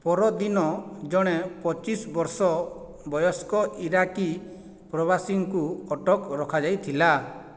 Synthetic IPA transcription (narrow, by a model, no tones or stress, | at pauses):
pɔɾɔd̪inɔd͡ʒɔɽ̃epɔt͡ʃisbɔɾsɔ | bɔjɔskɔʔiɾaki | pɾɔβasiŋkuɔʈɔkɾɔkʰad͡ʒajt̪ʰila